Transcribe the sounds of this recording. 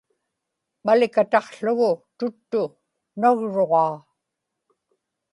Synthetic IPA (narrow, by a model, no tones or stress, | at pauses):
malɪkat̪ɑqɬʊɣʊt̪ʊt̪ːʊ | naɣɻoʁɑː